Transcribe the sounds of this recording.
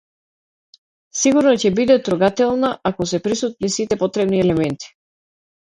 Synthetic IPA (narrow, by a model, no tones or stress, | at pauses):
siɡuɾnɔcɛbid̪ɛt̪ɾuɡat̪ɛlˠnaakɔsɛpɾisut̪̚nisit̪ɛpɔt̪ɾɛbniɛlɛmɛnt̪i̥